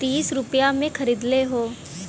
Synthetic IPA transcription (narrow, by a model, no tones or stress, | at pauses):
t̪iːsɾʊpjamẽkʰɐɾiːd̪leɦoː